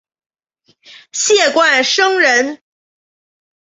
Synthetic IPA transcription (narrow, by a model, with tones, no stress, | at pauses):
ɕjɛ˥˩kwa˥˩nʂɤ˥ŋɻə˧˥n